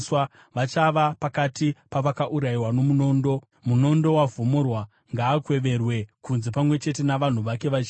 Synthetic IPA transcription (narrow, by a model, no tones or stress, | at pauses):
swa | ʋat͡ʃaʋapakatipaʋakaʔuɾaiwano̞muno̞ːndo̞ | muno̞ndo̞wavomorwa | ŋɡaːkwe̞ʋe̞rwe̞kunzepamwe̞t͡ʃe̞t̬e̞naʋan̤uʋake̞ʋat͡ʃː